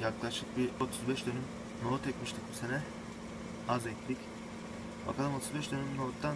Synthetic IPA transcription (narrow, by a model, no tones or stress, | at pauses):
jaklˠaʃlˠɯk̚bio̞t̪ʰuzbɛʃd̪ønym | no̞t̪ɛcʲmiʃt̪ʰicbusenɛ | azɛt̪ʲd̪ic | ba̰kʰalˠɯmo̞t̪ʰuzbɛʃd̪ø̞nymno̞ːt̪ːan